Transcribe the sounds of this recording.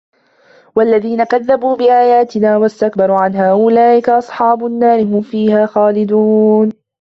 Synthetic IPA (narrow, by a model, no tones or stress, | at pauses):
walːaðiːnakaðːabuːbɪʔaːjaːt̪ɪnaːwast̪ak̚bɑɾˤuʕanɦaːʔʊlaːʔɪkaʔɑsˤħɑːbʊnːaːɾɪɦʊmfiːhaːxaːlɪd̪uːn